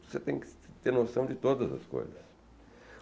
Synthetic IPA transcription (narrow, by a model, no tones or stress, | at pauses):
oset̪ẽj̃kɪ̥t̪eɾnosɐ̃w̃d͡ʒɪt̪od̪ɐzɐ̰sko̰jzɐ̰s